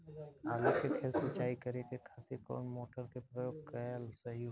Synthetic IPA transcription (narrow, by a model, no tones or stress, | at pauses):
aːlokekʰezsət͡ʃaːikəɾekekʰaːt̪ekɔ̰ːnmoːʈəɾkepɾəjoːɡ̚kəlsɐɦi